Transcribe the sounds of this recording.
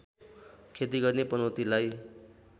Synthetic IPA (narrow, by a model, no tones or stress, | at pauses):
kʰet̪iɡʌrnepʌnʌwt̪ilaj